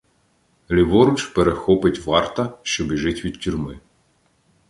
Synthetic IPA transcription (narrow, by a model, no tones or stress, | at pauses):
lʲiʋɔɾʊt͡ʃpeɾexɔpɪtʲʋɑrt̪ɐʃt͡ʃɔbiʒɪtʲʋʲid̪̥̚tʲʊrʲmɪ